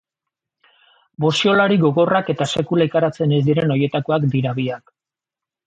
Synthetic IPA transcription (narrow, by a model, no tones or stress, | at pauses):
bo̞sio̞laɾiɣo̞ɣo̞rake̞t̪ase̞kulaekaɾat͡se̞ne̞zd̪iɾe̞no̞je̞t̪ako̞akd̪iɾaβiak